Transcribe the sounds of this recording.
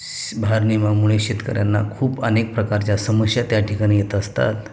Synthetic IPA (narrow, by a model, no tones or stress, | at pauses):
bʱaɾnimamuɭ̃eɕet̪kə̰ɾjanːa̰kʰuːpənek̚pɾəkaɾt͡ɕjasəməsjat̪jaʈʰikaɽ̃ijet̪əst̪a̰t̪